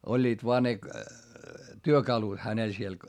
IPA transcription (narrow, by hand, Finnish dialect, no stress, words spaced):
olʲːiːt ʋoɑ ne tyøkɑlut hænel siel